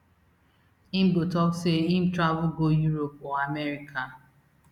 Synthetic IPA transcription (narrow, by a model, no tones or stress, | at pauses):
im̩botɔkseim̩tɾavʊɡojuɾopɔamɛɾikʰa